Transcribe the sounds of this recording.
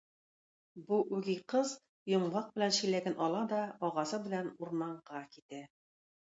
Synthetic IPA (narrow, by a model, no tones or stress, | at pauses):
buʔʉɡiqɤz | jŏɴlɑq̚bɘ̆lænɕɘ̆læɡænʔɒlˠɑd̪ɒɒʁɑsɤbɘ̆lænuɾmɑɴʁɑkit̪æ